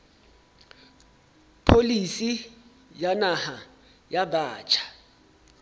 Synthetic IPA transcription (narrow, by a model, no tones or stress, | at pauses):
pʰolisi | janaha | jabaːt͡ʃʼʰḁ